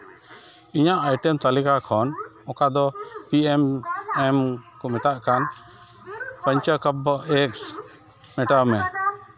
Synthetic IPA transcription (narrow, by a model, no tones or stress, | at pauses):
iɲaʔajʈɛmt̪alikakʰɔn | ɔ̃kad̪ɔpiɛmɛmkɔmɛt̪aʔkan | pəɲt͡ʃəkəbɔɛks | mɛʈəmɛ